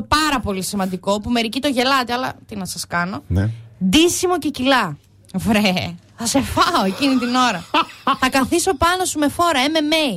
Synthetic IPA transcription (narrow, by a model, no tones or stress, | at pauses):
pɐɾɐpo̞lisimɐnd̪iko̞pume̞ɾicit̪o̞ʝe̞lɐt̪iɐlɐ̰t̪inɐsɐskɐno̞nd̪isimo̞ce̞cilɐ | vɾeθɐse̞fɐoe̞cinit̪ino̞ɾɐθɐkɐθiso̞pɐno̞sume̞fo̞ɾɐeme̞mej